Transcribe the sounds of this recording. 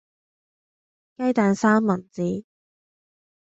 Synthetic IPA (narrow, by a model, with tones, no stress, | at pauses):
kɐ˥jt̪aː˨nsaː˥mːɐ˨˩nt͡siː˨˥